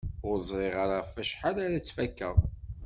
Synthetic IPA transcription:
ʊɾzˤɾˤiʁəɾafæʃħalaɾæt͡sːfækːə̰ðˤ

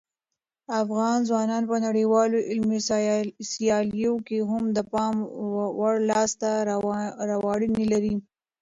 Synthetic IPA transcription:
afɣɑnzwɑnɑnpənaɽiwɑloʔɪlmessjɑlijokeɦʊmd̪əpɑmwaɽlɑst̪a | ɾawɑɽinilaɾi

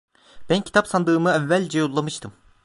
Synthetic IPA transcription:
b̥æncʰi̥t̪apsand̪ɯːmɯævːælʲd͡ʒɛjolˠːamɯʃt̪ʰɯm

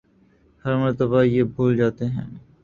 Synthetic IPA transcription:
hɐɾmɐɾt̪əbajeːbʱuːld͡ʒaːt̪eɦɛ̰̃ː

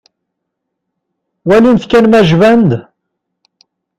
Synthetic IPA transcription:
wælinθkænmæʒvænd̪

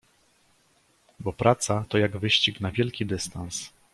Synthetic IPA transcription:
bɔpɾʔat̪sat̪ɔjaɡvɘɕt͡ɕiknavʲjɛlkʲid̪ɘst̪ans

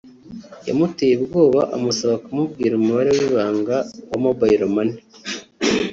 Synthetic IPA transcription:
ja̰mutejebɡo̞ːβaʔamusaβakumubɡiːɾumuβaɾe̞wiːβaːŋɡawamobaiɾomani

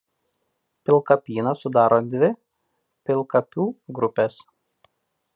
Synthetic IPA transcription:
pʲɪlˠˑkɐpʲiːnɐsʊd̪ɑːɾoːd̪ʲʋʲɪ | pʲɪlˠkɐpʲuːɡɾʊpʲɛs

